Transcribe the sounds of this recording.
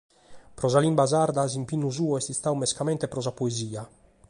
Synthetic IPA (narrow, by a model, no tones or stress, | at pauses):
pɾɔzalimbazaɾd̪azimpinːuzuːɔɛst̪ist̪awmɛskamɛnt̪epɾɔzapoeziːa